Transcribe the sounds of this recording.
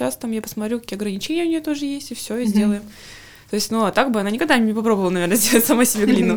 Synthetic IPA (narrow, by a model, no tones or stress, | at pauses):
ast̪amjapə̥smɐt̪ɾʲukɐ̥kʲiɐɡɾənʲɪt͡ɕenʲɪəʊnʲɪjot̪o̞ʐɨjesʲtʲɪfsʲoɪzʲdʲe̞lˠəjɪm | t̪o̞ɪsʲtʲnuat̪aɡ̚bɨɐnanʲɪkɐɡ̚d̪anʲɪpɐpɾobəvəlˠnɐvʲe̞rnəzʲdʲe̞lˠətʲsɐmasʲɪbʲeɡlʲinːə